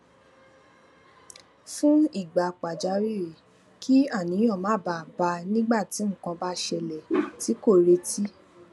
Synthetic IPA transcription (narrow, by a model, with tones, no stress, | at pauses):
fũ˦i˦˨ɡ͡ba˨k͡pa˨d͡ʒa˨˦ɾi˦˨ | kʰi˦a˦˨nĩ˨˦j̃ɔ̃˦˨mãː˨˦˨ba˧˨ba˧nĩ˦ɡ͡ba˦˨ti˨˦ŋ̩˦˨kã˧ba˦ʃɛ˧lɛ˨ti˨˦ko˦˨ɾe˧ti˦